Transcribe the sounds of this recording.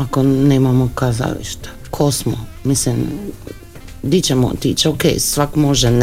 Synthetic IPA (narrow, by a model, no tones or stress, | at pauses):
akoneːmamokaza̰lḭʃt̪ḁ | kʰosmo̰ | mislim | d̪it͡ʃɛmo̰t̪ḭːt͡ʃeokḛjsʋakmoʒɛn